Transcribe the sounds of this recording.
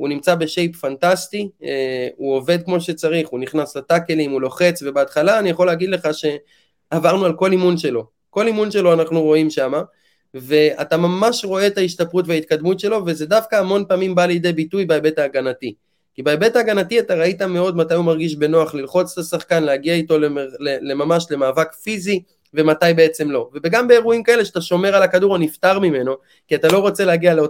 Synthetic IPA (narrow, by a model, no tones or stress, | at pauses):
unimt͡sabe̞ʃe̞jpfantastieuo̞ve̞d̪̚kmo̞ʃe̞t͡saʁiχuniχnaslatake̞limulo̞χe̞t͡sve̞beat̪χalaːnijaχo̞leaːɡid̪le̞χaʃe̞ | avaʁnualko̞limunʃe̞lo̞ | ko̞limunʃe̞lo̞anaχnuʁo̞imʃama | ve̞atamamaʃʁo̞e̞t̪aiʃtapʁutveait̪̚kad̪mutʃe̞lo̞ve̞ze̞dafkaːmo̞npaːmimbaleid̪ejbitujbeebe̞t̪aːɡanati | kibeebe̞taːɡanatiat̪aʁaitame̞o̞d̪matajumaʁɡiʃ̬be̞no̞aχlilχo̞t͡se̥tasaχkanleaɡiaito̞leelele̞mamaʃle̞maːvakfizi | ve̞matajbe̞et͡se̞mlo̞ve̞be̞ɡambe̞eʁuimkae̞le̞ʃeat̪aʃo̞me̞ʁalakaduʁaniftaʁmime̞no̞ | kiatalo̞ʁo̞t͡seleaɡialeo